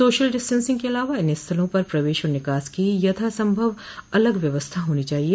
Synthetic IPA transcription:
soːʃəlɖɪsʈə̃nsɪ̃ŋɡkeɐlaːʋaɪnɪst̪ʰɐlõpɐɾpɾɐʋeːʃɔːɾnɪkaːskijɐt̪ʰasɐ̃mbʱəʋ | ɐləɡʋjɐʋəst̪ʰaɦoːnit͡ʃaːɦieː

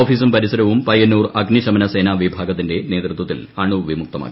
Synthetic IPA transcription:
oːfiːsumpɐɾisɐɾɐʋumpɐjɐnːuːrɐɡniɕɐmɐnɐse̞ːnaːʋibʱaːɡɐt̪ːinde̞ne̞ːd̪rut̪wɐt̪ːilɐɳuʋimuk̚t̪ɐma̰ːkːii

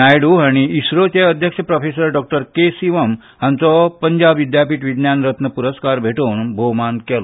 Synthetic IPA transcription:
ajɽuɦaɽ̃iisɾot͡ɕeəd̪ʱjəkɕəpɾəfesəɾɖɔk̚ʈəɾkesiʋəm | ɦãnt͡sɔpəɲd͡ʑabʋid̪japiːʈʋid̪njanɾət̪nəpuɾəskaɾbʱeʈuːnbʱomankɛlɔ

